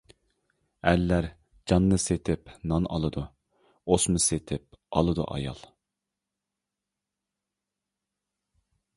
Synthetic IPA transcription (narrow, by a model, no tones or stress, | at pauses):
ælːæɾ | d͡ʒɑnːɨset̪ʰɪpnɑnʔɑ̰lˠɨd̪u | osmɨset̪ʰɪp̚ɑ̰lˠɨd̪ṵʔɑ̰jɑ̰lˠ